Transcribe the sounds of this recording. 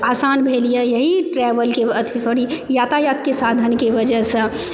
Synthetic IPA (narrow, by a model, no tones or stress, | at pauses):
aːsaːnbʱelijəjəɦiʈɾɛbəlkeət̪ʰisoɾijat̪ajat̪kesad̪ʱənkeʋəd͡ʒəɦsə̃